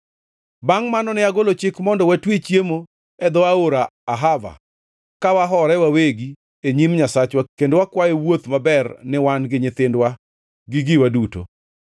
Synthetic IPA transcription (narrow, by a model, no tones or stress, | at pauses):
baŋmanɔnɪaɡolot͡ʃɪkmɔndɔwatwet͡ʃjemo | ɛd̪ɔaoɾaːɦava̰ | kawaɦɔɾɛwaweɡi | eɲimɲasat͡ʃwakendwakwajewot̪mabɛrnɪwanɡɪɲɪt̪ɪndwa | ɡɪɡɪwaduto̰